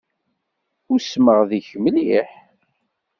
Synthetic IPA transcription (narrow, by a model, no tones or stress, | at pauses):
ʊɾsməʁðiçmliħ